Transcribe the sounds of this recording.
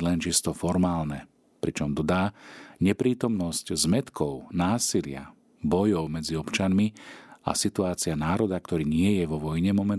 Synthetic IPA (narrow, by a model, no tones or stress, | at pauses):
lɛnt͡ʃist̪ɔfɔɾmaːlnɛ | pɾit͡ʃɔmd̪ɔd̪aːɲɛpɾiːt̪ɔmnɔsczmɛt̪kʰɔʊnaːsilɪa̰ | bɔjɔʊmɛd͡ziɔpt͡ʃanmia̰sit̪uaːt͡sianaːɾɔd̪akt̪ɔɾiːɲɪɛjɛʋɔʋɔjɲɛmɔmɛn